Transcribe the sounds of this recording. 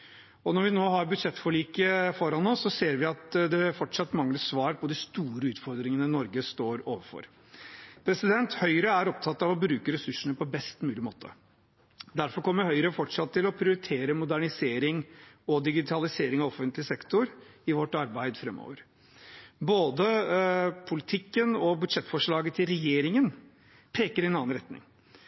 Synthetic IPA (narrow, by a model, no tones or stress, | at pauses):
ɔnɔɾʋɪnoːɦɑɾbʉd̪ʂɛt̪ːfɔɭiːkəfɔɾɑnɔsːɔseːɾʋɪɑt̪d̪ɛfɔʈʂɑt̪ːmɑŋləsʋɑːɾpʰɔd̪ɪst̪uːɾəʉːt̪fɔɾd̪ɾɪŋənənɔɾɡəst̪oːɾoːʋəɾfɔ̰ɾ | pʰɾɛsɪd̪ɛnt̪hœʏɾəæɾɔp̚t̪ʰɑt̪ːɑʋɔbɾʉːkəɾɛsʉʂəɳəpʰɔbɛst̪mʉːlɪmo̰ːt̪ʰə̰ | d̪æɾfɔɾkɔmːəɾhœʏɾəfɔʈʂɑt̪ʰːɪlɔpʰɾɪʊɾɪt̪ʰeːɾəmʊd̪æɳɪseːɾɪŋ | ɔd̪ɪɡɪt̪ʰɑlɪseːɾɪŋɑʋɔfənt̪lɪsɛkt̪ʊɾɪʋɔʈːɑɾbæɪd̪fɾɛmːo̰ːʋəɾ | boːd̪ə | pʰʊlɪt̪ʰɪkːənɔbʉd̪ʂɛt̪ːfɔʂɭɑːɡət̪ʰɪlɾɛjeːɾɪŋən | pʰeːkəɾɪɛnɑːɑnɾɛt̪nɪ̰ŋ